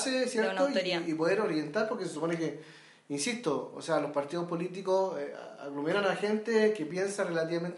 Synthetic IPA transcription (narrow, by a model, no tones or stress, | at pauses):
sesjeɾtnoiipoðeɾoɾje̞nt̪aɾpoɾkes̬esuponeke | insist̪oo̰sealo̞spaɾt̪iðopo̞lit̪̬ikosḛa̰ɣlumenanaxent̪ekepje̞nsarelat̪iβament̪